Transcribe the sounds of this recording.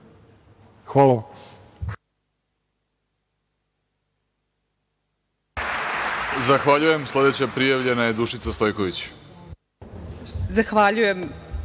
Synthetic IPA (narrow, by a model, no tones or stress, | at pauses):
xʋala | zaxʋaʎuje̞mslˠe̞d̪e̞t͡ɕapɾijaʋʎe̞naje̞d̪uʃit̪sast̪o̞jko̞ʋit͡ɕ | zaxʋaʎujem